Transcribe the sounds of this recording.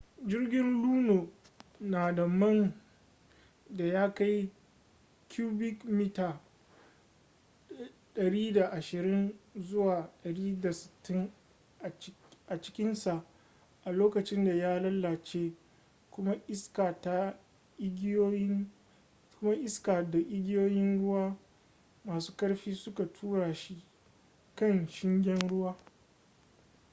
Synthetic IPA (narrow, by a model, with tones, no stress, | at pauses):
d͡ʒɪ˦rɡʲɪ˦nluː˦noː˨ | naː˨da˨mɐ˦n | da˨jaː˦ka˦j | kʰʲuː˦bɪ˦kmi˦taː˨ | ɗɐ˨ɽiː˦da˨ʔa˨ʃɪ˨ɾɪ˦nzʊ˦waː˨ɗɐ˨ɽiː˦da˨sɪ̥˨tʰːɪ˦ŋ˨˦ | ʔa˨t͡ʃɪ̥˦kʲɪ˦nsa˨ʔ | ʔa˨loː˦kɐ˨t͡ʃɪ˦nda˨jaː˦lɐ˦lːaː˨t͡ʃeː˦ | kʷʊ˦ma˦ʔɪ˦ska˨ta˦ | ɪ˦ɡʲo˦j | kʊ˦ma˦ʔɪ˦skaː˨da˨ʔɪ˦ɡʲɪ˦joː˦jɪ˦nɽʊ˦waː˦ | maː˨su̥ː˦kɐ˦ɽɸiː˦sʊ˦ka˨tʰuː˦ɽaː˨ʃi˦ | kɐ˦nʃɪ˦ŋɡʲɛ˦nɽʊ˦waː˦